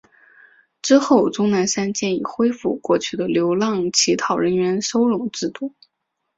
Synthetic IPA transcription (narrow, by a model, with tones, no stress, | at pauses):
ʈ͡ʂɻ̩˥xo˥˩ʊʈ͡ʂʊ˥ŋna˧˥nʂa˥nt͡ɕjɛ˥˩nḭ˨˩xwe˥ɪfu˥˧kwɔ˥˧t͡ɕʰy˥˩d̪ə˩ljo˧˥ʊlɑ˥˩ŋt͡ɕʰi˧˥t̪ʰɑ˨˩ʊɻə˧˥nɥɛ˧˥nʂo˥ʊɻʊ˧˩ŋʈ͡ʂɻ̩˥˧t̪u˥˩